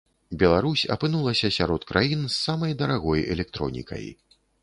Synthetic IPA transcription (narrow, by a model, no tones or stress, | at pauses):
bʲɛlˠaɾusʲɐ̰pɨnulˠɐsʲɐsʲaɾɔt̪kɾʔajinsːamɐjd̪ɐɾaɣɔjɛ̰lʲɛk̚t̪ɾɔnʲḭkʰɐ̰j